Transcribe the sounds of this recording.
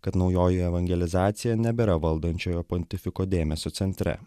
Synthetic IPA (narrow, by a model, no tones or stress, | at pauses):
kɐt̪nɒʊjoːjɛɛʋɐŋʲɡʲɛlʲɪzɑːt̪sʲɪjɛnʲɛbʲɛɾɐʋɐlˠd̪ɐnʲt͡ʃʲoːjoːpɔnʲt̪ʲɪfʲɪkoːd̪ʲeːmʲɛsʲoːt̪sʲɛnʲt̪ʲɾʲɛ̰